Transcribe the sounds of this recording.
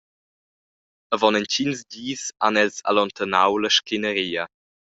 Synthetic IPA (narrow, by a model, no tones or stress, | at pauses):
əvɔnɛncinzdiːsa̰nɛlsa̰lɔnt̪ənawləʃkinəɾiːə